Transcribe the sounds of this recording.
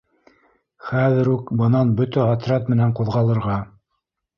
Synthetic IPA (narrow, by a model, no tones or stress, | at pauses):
χæðɘ̆ɾukbɤ̆nɑnbɵt̪ææt̪ɾɑt̪mɘ̆næɴquðʁɑlˠɤ̆ɾʁɑ